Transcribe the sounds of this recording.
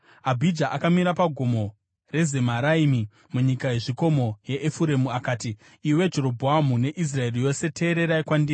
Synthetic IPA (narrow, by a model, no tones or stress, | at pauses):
abʱid͡ʒaʔakamiɾapaɡʱomo̞ | re̞ze̞maɾaimi | muɲikaje̞ʐiko̞mo̞je̞ʔːfuɾe̞muakaːtiː | we̞d͡ʒe̞ɾo̞bʱoamune̞ʔis̬rae̞rijo̞se̞te̞ːɾe̞ɾaikwandi